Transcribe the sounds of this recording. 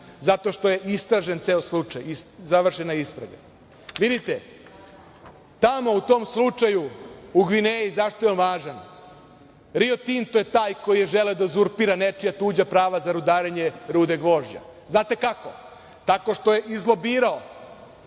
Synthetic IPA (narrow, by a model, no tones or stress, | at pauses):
zat̪o̞ʃt̪oje̞ʔist̪ɾaʒent̪seːoslˠut͡ʂajizaʋr̩ʃenaist̪ɾa̰ɡa̰ | ʋid̪it̪e | t̪amo̞ut̪o̞mslˠut͡ʂajuuɡʋinejizaʃt̪ojeonʋaːʒan | ɾio̞t̪int̪ojet̪aːjko̞jijeʒeleod̪azuɾpiɾanet͡ʃijat̪uːd͡ʑapɾaːʋazaɾud̪aːɾeɲeɾuːd̪eɡʋo̞ːʒd͡ʑa̰ | znaːt̪e̞kako̞̰ | t̪ako̞ʃt̪o̞je̞ʔizlˠo̞biːɾao